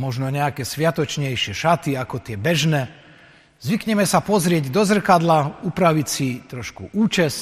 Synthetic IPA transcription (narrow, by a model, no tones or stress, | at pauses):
mɔʒnɔɲɛakɛsʋɪat̪ɔt͡ʃɲɛjʃɪɛʃat̪iakɔt̪ɪɛbɛʒnɛː | zʋikɲɛmɛsapɔzɾɪɛɟd̪ɔzr̩kad̪laupɾaʋicsit̪ɾɔʃkṵʔuːt͡ʃɛs